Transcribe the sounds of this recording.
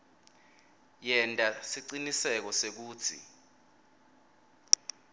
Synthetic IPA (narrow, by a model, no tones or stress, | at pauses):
jɛntʼasiǀinisɛk̬ɔsek̬uːt͡sʰḭ